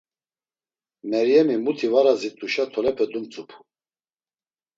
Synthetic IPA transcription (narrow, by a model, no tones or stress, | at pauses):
mɛɾijɛmimut̪ʰivaɾazit̪ʼuʃat̪ʰɔlɛpʰɛd̪umt͡sʼupʰu̥